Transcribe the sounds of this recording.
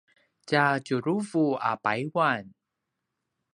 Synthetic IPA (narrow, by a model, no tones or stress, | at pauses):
cacuɾuvua̰pajwan